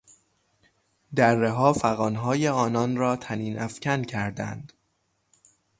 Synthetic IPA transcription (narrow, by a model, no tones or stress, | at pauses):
d̪ærːeɦɒːfæɣɒːnɦɒːjeɒːnɒnɾɒːt̪ʰæniːnʔæfcʰæncʰæɾd̪æ̰nd̪̥